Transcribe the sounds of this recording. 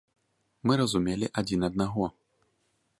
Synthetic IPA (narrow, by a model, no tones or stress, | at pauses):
mɨɾɐzumʲelʲiʔad͡zʲinɐd̪̚naɣɔ